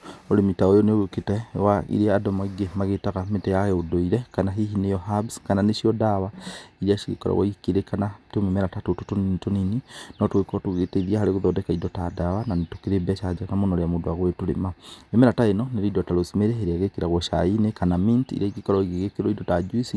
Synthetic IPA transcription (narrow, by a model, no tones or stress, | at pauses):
oɾemitaojɔneoketɛwaḭɾiaadɔmaiɡemaɣetaɣametɛjaɣɛodoiɾɛkanaɦiɦinejɔɦabskananeʃiɔdawaiɾiaʃiɣḛkɔ̰ɾɔ̰ɣwa̰keɾekanatomemɛɾatatotototonininɔtwekɔtoɣetɛiðiahaɾeɣoðɔdɛkaidɔtadawananetokeɾebɛʃad͡ʒakamonɔɾeamodoaɣwetoɾḛmaemɛɾataenɔneɾidɔtaɾosumeɾeeɾeaɣekeɾaɣwɔʃa̰inekanamintḭɾaiɣikɔɾɔiɣeɣekeɾɔidɔtad͡ʒuisi